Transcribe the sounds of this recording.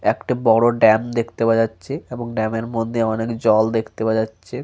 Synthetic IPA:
ekʈabɔɽoɖɛmd̪ekʰt̪ebad͡ʑatːɕʰeeboŋɖɛmeɾmod̪ʱːeɔnekd͡ʑɔld̪ekʰt̪ebad͡ʑatːɕʰe

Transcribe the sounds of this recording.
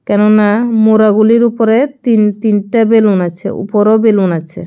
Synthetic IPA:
kɛnonamoɾaɡuliɾupoɾet̪int̪inʈabelunat͡ɕʰḛṵpoɾobelunat͡ɕʰḛ

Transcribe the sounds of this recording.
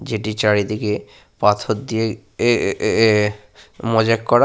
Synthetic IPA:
d͡ʑeʈit͡ɕaɽid̪ike | pat̪ʰot̪d̪ie | mɔd͡ʑakkɔɾa

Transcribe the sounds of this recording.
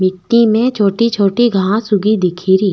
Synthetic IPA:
mɪʈːimẽt͡ʃʰoːʈit͡ʃʰoːʈiɡʱaãsʊɡid̪ɪkʰiɾiː

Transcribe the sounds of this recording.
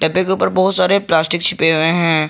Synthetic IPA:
ʈɐbẽkeuːpəɾbɔɦʊt̪saːɾeplaːsʈɪkt͡ʃʰɪpeɦueɦɛ̃ː

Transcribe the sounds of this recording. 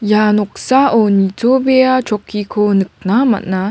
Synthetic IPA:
janɔk̚saʔɔnit͡sobejat͡ʃɔkikʰonɯk̚nama̰tna

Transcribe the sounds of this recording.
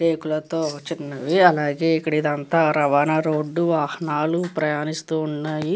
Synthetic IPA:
ʈeːkulɐt̪oːt͡ʃinːɐʋiɐlaːɡe̞ːikːɐɽid̪ɐnt̪aːɾɐʋaːnaɾoːɖːuʋaːhɐnaːlupɾɐjaːnist̪uːuɳːaːji

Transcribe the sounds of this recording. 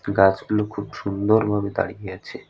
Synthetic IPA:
ɡad͡ʑɡulokʰubʃund̪oɾbʱabed̪a̰ɽijeat͡ɕʰe

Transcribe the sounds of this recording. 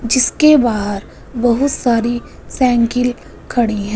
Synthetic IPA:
d͡ʒɪskebaːɦɾ | bɐɦʊt̪saːɾi | sɛ̃ːŋkɪl | kʰɐɽiɦɛ̃ː

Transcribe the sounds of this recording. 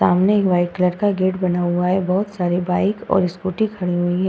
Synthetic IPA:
aːmnekʋaːɪkləɾkaɡeːʈbɐnaːaɦɛbɔɦʊt̪saːɾebaːɪkɔ̰ːɾɪskuːʈikʰɐɽiɦuiɦɛ̃

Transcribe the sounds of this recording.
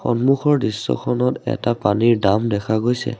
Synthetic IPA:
xɔ̰nmuxɔɹdɹisːɔ̰kʰɔnɔtɛ̰tapaniɹdamdɛkʰaɡojsɛ̰

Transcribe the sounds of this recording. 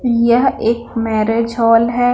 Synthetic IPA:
jɐɦeːk̚mɛːɾeːd͡ʒɦɔːlɦɛː

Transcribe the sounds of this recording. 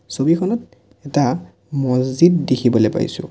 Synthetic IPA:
sobikʰɔnɔt̚ | ɛta | mɔziddekʰibɔlejpa̰j̰sʊ̰̃

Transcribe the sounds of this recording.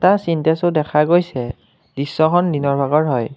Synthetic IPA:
tasintɛsodɛkʰaɡojsɛ | d̥isːɔkʰɔndinɔɹbʱaɡɔɹɦɔj

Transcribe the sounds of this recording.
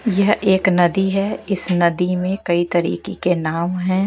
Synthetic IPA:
jɐɦeːknɐd̪iɦɛɪsnɐd̪imẽkɐit̪ɐɾḭːkekenaːmɦɛ̃ː

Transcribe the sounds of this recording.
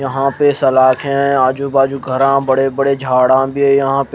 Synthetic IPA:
jɐɦãpesɐlaːkʰɦɛ̃aːd͡ʒuːbaːd͡ʒuɡʱəɾãbɐɽebəɽed͡ʒʱaːɽãbʱiɦɛjɐɦãːp

